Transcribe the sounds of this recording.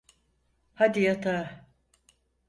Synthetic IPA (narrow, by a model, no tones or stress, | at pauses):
had̪ijat̪ʰa